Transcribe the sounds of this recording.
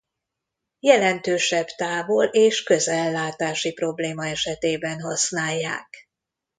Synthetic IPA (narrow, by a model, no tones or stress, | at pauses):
jɛlɛnt̪øːʃɛbt̪aːvoleːʃkøzɛlːaːt̪aːʃipro̞bleːmɒɛʃɛt̪eːbɛnɦɒsnaːjːa̰ːk